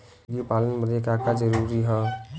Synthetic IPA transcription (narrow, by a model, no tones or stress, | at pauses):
ɡipaːlənbəd̪ekakad͡ʒəɾuːɾiɦɛ̃ː